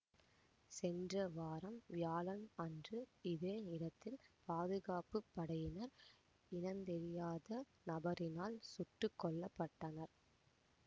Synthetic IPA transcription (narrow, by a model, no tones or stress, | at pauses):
sɛndrɐʋaːɾɐmʋjaːlɐnɐndrɯɪðeːnɪɾɐt̪ːɪlpaːðɯɣaːpɯpːɐɽɐjɪnɐɾ | ɪnɐnd̪ɛɾɪjaːðɐ | nɐbɐɾɪnaːlsʊʈːɯkːɔɭːɐpːɐʈːɐnɐɾ